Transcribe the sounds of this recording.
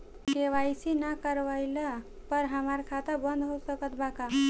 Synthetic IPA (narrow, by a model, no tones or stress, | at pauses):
keʋajsinakəɾʋajlə | pəɾɦəmaɾkʰat̪əbənd̪ʱɦosəkət̪baka